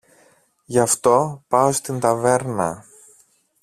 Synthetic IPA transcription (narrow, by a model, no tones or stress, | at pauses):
ʝɐft̪o̞pɐost̪int̪ɐve̞ɾnɐ̰